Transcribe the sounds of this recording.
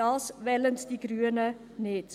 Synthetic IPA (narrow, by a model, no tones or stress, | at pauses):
ɑlˠsvɛlənsdiɡryənə | neːt